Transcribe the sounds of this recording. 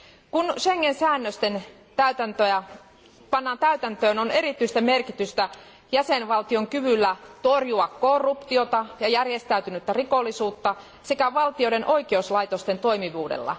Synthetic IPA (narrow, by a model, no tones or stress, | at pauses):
kunʃeŋːensæːnːøst̪en | t̪æyt̪ænt̪øjæ | pɑnːɑːnt̪æyt̪ænt̪øːnoneɾit̪ːyist̪æmerkit̪yst̪æ | jæsenʋɑlt̪io̞ŋkyʋylːæt̪orjuɑkkorːupt̪io̞t̪ɑjɑjærjest̪æyt̪ynyt̪ːærikolːisuːt̪ːɑ | sekæʋɑlt̪io̞ɾenʔo̞ikeuslɑit̪ost̪e̞nt̪o̞imiʋuːdḛlːɑ̰